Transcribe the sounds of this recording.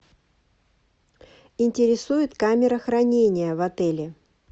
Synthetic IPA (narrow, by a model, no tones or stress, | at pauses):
ɪnʲtʲɪɾʲɪsujɪt̪kamʲɪɾəxrɐnʲenʲɪjəvɐt̪ɛlʲɪ